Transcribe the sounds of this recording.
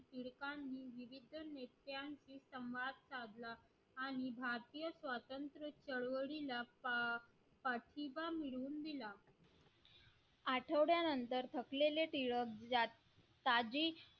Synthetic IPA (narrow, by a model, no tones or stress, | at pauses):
ʈ̪iɭkanːiːʋiʋid̪ʱənet̪jant͡ɕiːsəwʋad̪̚t͡sad̪laː | ɽ̃ibʱaɾt̪ijəsʋat̪ənt̪ɾət͡ɕəɽʋəɽila | pəʈʰibamiɭuːnd̪ila | aʈʰəʋɽjanənt̪əɾt̪ʰəkleleʈiɭəkd͡za | t̪ad͡ʑiː